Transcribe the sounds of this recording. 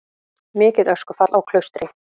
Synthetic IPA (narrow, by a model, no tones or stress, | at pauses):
mɪːcɪðœskʏfat̪lawkʰlœɥst̪ɾɪ